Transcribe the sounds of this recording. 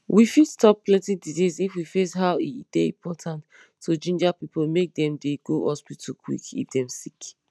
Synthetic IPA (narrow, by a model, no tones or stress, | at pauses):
wifidstɔp̚ːlɛ̃tiditisifwifesɦaʊid̥eḭ̃mpʰɔtʰãntʰː | od͡ʒĩnd͡ʒapipolmek̚dɛ̃mdeɡoʔɔspitʰukʰwḭkḭtdɛ̃msik